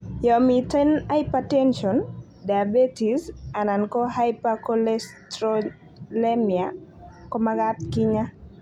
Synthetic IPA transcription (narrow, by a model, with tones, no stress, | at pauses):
jɔ˨mi˨tɛ˦na˦ipatɛ˦nʃɔ˨n | da˨be˦ti˨sa˨na˨nkɔ˦ɦa˦jpa˦kɔ˦lɛstɾɔ | le˦mia˨kɔ˦ma˦ɡa˦t̪ki˦ɲa˦